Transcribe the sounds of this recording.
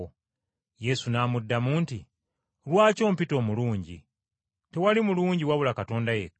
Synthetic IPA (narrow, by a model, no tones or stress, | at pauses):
je̞sunaːmudːamuːnti | lwaːco̞ːmpito̞ːmuluːɲɟḭ | te̞walimuluːɲɟiwaβulakato̞ːndaje